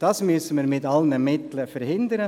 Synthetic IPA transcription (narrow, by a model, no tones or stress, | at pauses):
d̥ɑːsmysəmiɾmɪtɑlnəmɪt̪ləfəɾhɪnd̪əɾə